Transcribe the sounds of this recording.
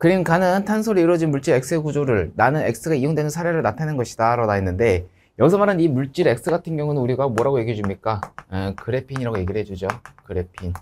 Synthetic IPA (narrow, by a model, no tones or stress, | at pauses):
kɯɾiɯnkanɯntʰansʰoɾɯiɾwʌd͡ʑinmuɭt͡ɕ͈iɾe̞k̚s͈ɯɡud͡ʑoɾɯɭnanɯne̞̰k̚s͈ɯɡaijoŋdwe̞nɯnsʰaɾe̞ɾɯɭnatʰanenɡʌɕʰidaɾanaɦenːɯnde̞ | jʌɡisʰʌmaɾɯnimuɭt͡ɕ͈iɾe̞k̚s͈ɯɡatʰɯŋɡjʌŋunɯnuɾiɡamwoʌɾaɡoje̞ɡiɦed͡ʑumɲik͈akɯɾe̞pʰiɲiɾaɡoje̞ɡiɾɭɦe̞d͡ʑud͡ʑokɯɾe̞pʰin